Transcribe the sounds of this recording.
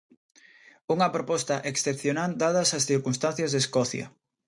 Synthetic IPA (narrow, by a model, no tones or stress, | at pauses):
uŋɐpɾopɔst̪ɐʔeksθepθjonald̪að̞ɐsɐsθiɾkunst̪an̟θjɐzðeskɔθjɐ̰